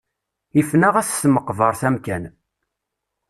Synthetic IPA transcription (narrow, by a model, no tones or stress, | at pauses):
ifnæʁæθsməqːvəɾˤθæmkæn